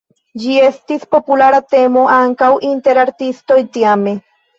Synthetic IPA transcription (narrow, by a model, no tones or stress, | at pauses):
d͡ʒie̞st̪ispo̞pulaɾat̪e̞mo̞ʔaŋkawʔint̪e̞ɾaɾt̪ist̪o̞jt̪iame